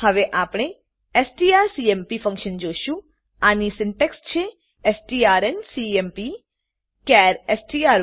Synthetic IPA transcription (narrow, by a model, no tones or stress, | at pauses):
hɐʋeʔaːpɽ̃e | esʈiaːɾsiempifʰə̃ŋkʃənd͡ʒoːʃu | anisɪ̃nʈekst͡ʃʰe | esʈiːaːɾensiempi | kɛːɾesʈiaːɾ